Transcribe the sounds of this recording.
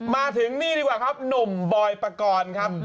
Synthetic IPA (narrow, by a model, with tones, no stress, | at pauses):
maː˧t̪ʰɯ˨˩˦ŋniː˥˩ɾiː˦˥kwaː˨˩kʰa˦˥p̚no˨˩mbɔː˧jpa˧kɔː˧nkʰa˦˥p̚